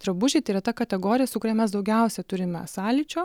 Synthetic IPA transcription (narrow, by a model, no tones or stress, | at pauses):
t̪ɾɐbʊʒʲɛt̪ɐɪɾɐt̪ɐkɐt̪ʲɛɡoːɾʲɪjɛsʊkʊɾʲɛmʲɛsd̪ɒʊɡʲɛʊsʲɛt̪ʊɾʲɪmʲɛ̰sɑːlʲɪt͡ʃʲoː